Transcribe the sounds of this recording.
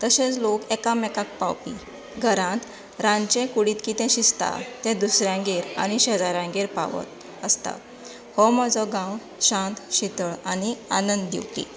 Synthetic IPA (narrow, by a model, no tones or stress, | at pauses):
t̪əɕẽt͡slokɛkamɛkak̚pawpi | ɡʱəɾãt̪ | ɾãɲt͡ɕɛ̃kuɽiːt̪kit̪ɛ̃ɕist̪a̰t̪ɛ̃d̪usɾjãɡeɾa̰ɽ̃iɕɛd͡zaɾãŋɡeɾpa̰ʋə̰t̪ | əst̪a̰ | hɔməd͡zɔɡãw | ɕãnt̪ɕit̪əɭanianənd̪d̪ḭwpḭ